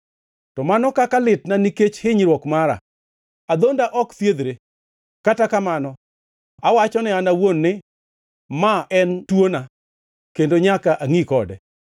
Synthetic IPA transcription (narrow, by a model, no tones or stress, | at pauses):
tɔmanɔkakalɪtnaniket͡ʃhɪɲɾwɔkmaɾa̰ | ad̪ondaʔɔkt̪jed̪ɾe | katakamanɔ | awat͡ʃɔnɪanawonːɪ | maʔɛntwona | kendoɲakaʔaŋikɔdɛ